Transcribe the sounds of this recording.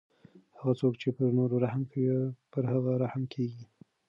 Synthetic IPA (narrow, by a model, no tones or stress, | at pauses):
haɣat͡sokt͡ʃepəɾnoɾoɾahmkpəɾhaɣaɾahmkʰeɡi